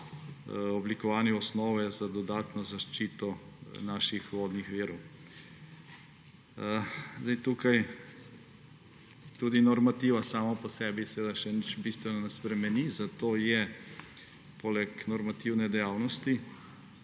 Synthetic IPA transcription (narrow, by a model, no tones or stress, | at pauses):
ɔblikɔʋaːnjɛɔsnɔːʋɛzad̪ɔd̪aːt̪nɔzaʃt͡ʃiːt̪ɔnaːʃixʋoːd̪nixʋiːɾɔw | zd̪ɛjt̪uːkaj | t̪uːd̪inɔɾmat̪iːʋasaːmapɔsɛːbisɛʋeːd̪aʃɛnit͡ʃbist̪ʋɛnɔnɛspɾɛmɛnizat̪oːjɛ | polɛknɔɾmat̪iwnɛd̪ɛjaːwnɔst̪i